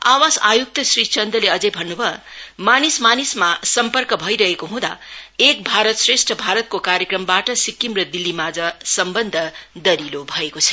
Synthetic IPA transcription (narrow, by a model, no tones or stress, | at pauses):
a̰wasajuk̚t̪ʌsrit͡sʌnd̪ʌleʌd͡zʌjbʱʌnːubʱʌmanismanismasʌmpʌrkʌbʱʌiɾʌɦekoɦũd̪a̰ek̚bʱaɾʌt̪sresʈʰʌbʱaɾʌt̪̚kokaɾjekrʌmbaʈʌsikːimrʌd̪ilːimad͡zʌsʌmbʌnd̪ʱʌd̪ʌɾilobʱʌekot͡sʰʌ̥